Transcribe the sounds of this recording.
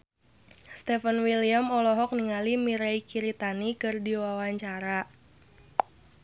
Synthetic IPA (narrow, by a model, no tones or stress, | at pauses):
st̪ɛfənwiliamɔlɔɦɔk̚niŋalimiɾaikiɾit̪anikɨrdiwawaɲt͡ʃaɾa